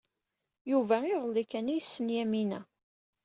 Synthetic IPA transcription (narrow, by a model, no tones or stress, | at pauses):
juvæɪðˤəlːikːænijəsːənjæminæ